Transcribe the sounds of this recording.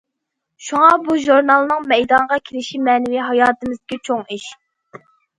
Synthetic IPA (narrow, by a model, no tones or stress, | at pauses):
ʃuŋɑbuʒuɾnɑlˠnɨŋmɛjd̪ɑnʁɑkʲʰelɪʃimɛːnɪwiɦɑjɑːt̪ɨmɨzɪ̥kʲit͡ʃʰoŋiʃ